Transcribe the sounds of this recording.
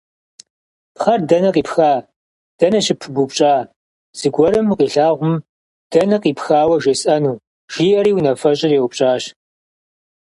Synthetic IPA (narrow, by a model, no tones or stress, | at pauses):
pχɐrdɐnɐqiːpxaː | d̥ɐnɐɕɪpʰɨbupɕʼaː | z̥ɨɡʷɔɾɨmqiːɬaːʁʷʊm | d̥ɐnɐqiːpxaːwɐʒesʼɐnuː | ʒ̥iːʔɐɾiːwnɐfɐɕʼɪrewʊp̚ɕʼaːɕ